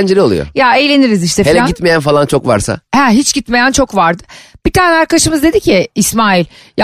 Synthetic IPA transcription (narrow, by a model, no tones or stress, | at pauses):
nd͡ʒeɾʲiolˠṵjo̰jaejlʲe̞niɾiziʃt̪ɛfelɛɟit̪mejænfalˠant͡ʃʰokva̰ɾsa̰hɛɦit͡ʃɟ̥it̪me̞jænt͡ʃʰo̞kvaɾd̪ɯ̥b̥it̪ʰaːnɛaɾkaʃɯmɯzd̪e̞d̪icʰɪːsmaːilʲj